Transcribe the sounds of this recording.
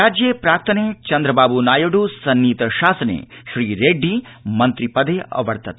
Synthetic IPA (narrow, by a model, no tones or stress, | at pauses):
aːd͡ʒjepɾaːk̚t̪ʰɐnet͡ʃɐnd̪ɾɐbaːbunaːjoɖusɐnːiːt̪ɐʃaːsɐnḛʃɾiːɾeɖːimɐnt̪ɾipɐd̪eʔɐ̰ʋɐɽt̪ɐt̪